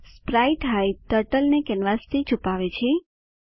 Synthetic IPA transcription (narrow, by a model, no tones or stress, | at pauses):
spɾajʈɦajt̪əʈəlnekɛnʋast̪ʰit͡ʃʰupaʋet͡ʃʰe